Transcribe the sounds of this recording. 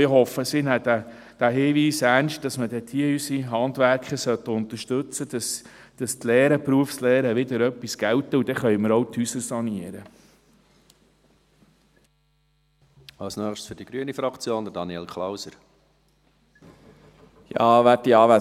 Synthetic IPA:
ɦɔfːəsɪnæd̪æ | d̥æɦɪːʋiːsæɾnʃt̚d̥ɑsmədɛt̪ʰiəysiɦɑnd̪ʋæɾkχəsœt̪ːəʊnt̪əʃtɵt͡səd̥̪ɑs | d̥ɑstleːɾəpɾuəfsleːɾəʋɪd̪əɾœpːisɡ̥æwt̪əud̥̪ɛχœjməɾɔwt̪hysəɾsɑniəɾə | ɑwsnœːχʃsfʏɾd̥iɡ̥ɾyənifɾɑkt͡sjoːnd̪ədɑniɛlkʰlawsəɾ | jɑːʋæːtdiɑːʋæ

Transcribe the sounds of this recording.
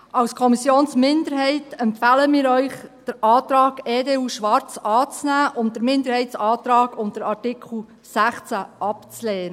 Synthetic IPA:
ɑwskʰɔmisjoːnsmɪndəɾɦɛɪtɛmpfæːləmiːɾœʏχd̥əɾʔɑːt̪ɾɑːɡeːdeːuːʃʋɑɾt͡sɑːt͡snæːʔʊntd̥əɾmɪndəɾhɛɪtsɑːt̪ɾɑːɡʊmd̥əɾɑɾtɪkʰl̩ | sæχt͡sæʔɑpt͡slɛːnə

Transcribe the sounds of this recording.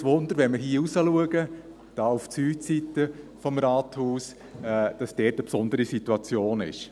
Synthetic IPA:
sʋʊnd̪əɾʋɛnməɦiːusəluəɡə | d̥ɑːuft͡syːsitːəfɔmɾɑːthuːs | ɛd̥ɑsd̥ɛːtəpsɔndəɾisituɑt͡sjoːnɪ̰ʃ

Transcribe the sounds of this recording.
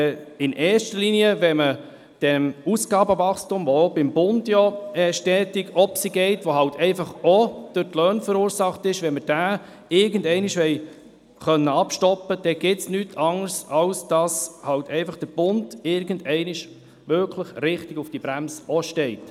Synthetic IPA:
ɪnʔɛːɾʃtəliːniəʋɛmə | d̥ɛmusɡ̥ɑːbəvɑχstʊmʋɔobɪmbʊndjɔɛːʃtɛːtɪɡɔpsiɡɛɪtʋoɦɑltʰɛɪfɑχɔd̥øtlœːnfəɾuːɾsɑχtɪʃʋɛməd̥æː | ɪɾɡəndɛɪniʃʋɛɪ | χœnːəɑpʃtɔpːəd̥ɛɡ̥ɪtsnytʰɑŋəɾsɑlsd̥ɑshɑltɛɪfɑχd̥əɾb̥ʊndɪɾɡəndɛɪnɪʃ | ʋʏɾkʰləχɾɪχtɪɡufd̥ibɾæmsəɔʃtɛɪt

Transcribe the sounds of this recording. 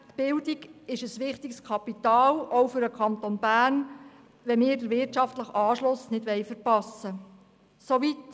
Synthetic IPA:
t̪b̥ɪldiɡɪʃəsʋɪχt̪ikskʰɑpit̪ɑːlɔwfʏɾəkʰɑnt̪onbæːrn | ʋɛnmɪːɾdəɾʋɪrtt͡ʃɑftləχɑːʃlʊsnɪdʋɛjfəɾpɑsə | soʋit

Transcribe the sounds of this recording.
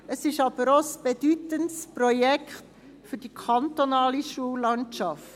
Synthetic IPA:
əsɪʃɑb̥əɾosb̥edytəntsprɔjɛkχt | fʏɾdikʰɑnt̪onɑːliʃuəlɑnt͡ʃɑft

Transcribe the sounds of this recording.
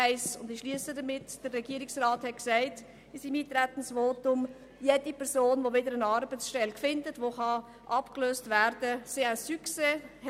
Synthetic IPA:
ɛɪsʊndɪʃliəsədəmɪtd̥ərːɛɡiəɾɪksrɑːthɛt̚ksaɪt | ɪsimiːtɾætən̩svoːtʊm | jedipʰɛɾsoːnʋovɪdəɾənɑɾbəsʃtɛlkfɪndətʋoχɑ | ʔɑpkløːstvæɾdəseasykse

